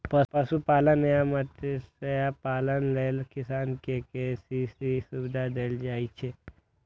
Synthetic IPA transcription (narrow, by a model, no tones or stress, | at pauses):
pɐpɐsupaːlənejamɐt̪eseapaːlənleːlkɪsaːnkekesisisʊbɪd̪ʱad̪eːld͡ʒaːit͡ʃʰe